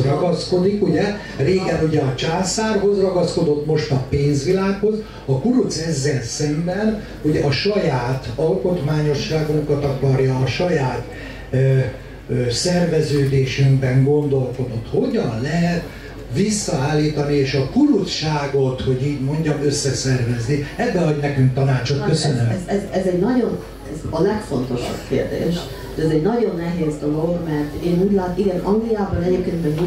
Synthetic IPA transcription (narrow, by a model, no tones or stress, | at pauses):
rɒɡɒsko̞d̪ikuɟɛ | reːɡɛnuɟɛɒt͡ʃaːsaːrɦo̞zrɒɡɒsko̞d̪o̞t̪mo̞ʃt̪ɒpeːnzʋilaːkho̞z | ɒkuɾut̪sɛzːɛlsɛmbɛn | uɟɛʔɒʃɒjaːt̪ɒlko̞t̪maːɲo̞ʃːaːɡuŋkɒt̪ɒkɒrjɒːʃɒjaːt̪ | sɛrvɛzøːd̪eːʃɛmbɛŋɡo̞nd̪o̞lko̞d̪o̞t̪ho̞ɟɒnlɛɦɛt̪ | ʋisːɒaːlːiːt̪ɒnieːʃɒkulut̪ʃaːɡo̞t̪ho̞ɟiːɟmo̞ɲɟɒmøsːɛsɛrvɛzniɛbːɛɒɟnɛkyŋk̚t̪ɒnaːt͡ʃot̪køsønømzɛzɛzɛɟnɒɟo̞n | ɛzɒlɛkfo̞nt̪o̞ʃɒ̰b̥kḛːrd̪ḛːʃ | t̪ɛzɛɟnɒɟo̞nːɛɦeːzd̪o̞lo̞ɡmɛrt̪eːnuːɟlaːt̪iɡɛnɒŋɡlijaːbɒnɛɟeːp̚keːnt̪mɛ